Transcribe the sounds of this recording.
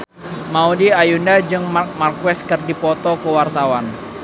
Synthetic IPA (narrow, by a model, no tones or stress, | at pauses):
maudiajundad͡ʒɨŋmarkwɛskɨrdipɔt̪ɔkəwart̪awan